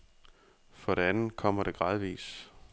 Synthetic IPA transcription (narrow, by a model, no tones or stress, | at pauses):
fɒ̽ɾ̥eænn̩kʰɒ̽m̰ɐɾ̥e̝ɡ̥ʁɑ̈ðˠʋḭːs